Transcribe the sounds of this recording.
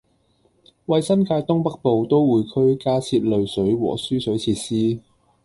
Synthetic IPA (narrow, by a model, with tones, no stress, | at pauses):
wɐ˨jsɐ˥nkaː˧jt̪ʊ˥ŋpɐ˥k̚po˨wt̪o˥wwuː˨˧jkʰɵ˥ɥkaː˥t͡sʰiː˧t̚lɵ˨˧ɥsɵ˨˥ɥwɔ̰ː˨˩syː˥sɵ˨˥ɥt͡sʰiː˧t̚siː˥